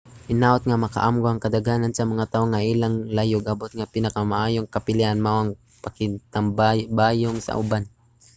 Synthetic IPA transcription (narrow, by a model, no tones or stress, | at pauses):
ʔɪnaːʔʊt̪̚ŋamɐka̰ʔamɡoaŋkad̪aɡaːnansamaŋat̪aːʔoŋaʔiːlaŋlajoɡabot̪̚ŋapɪnakamaʔaːjoŋkapɪliʔanmawaŋ | pakɪnt̪ambabaːjʊŋsa̰ʔʊ̰ban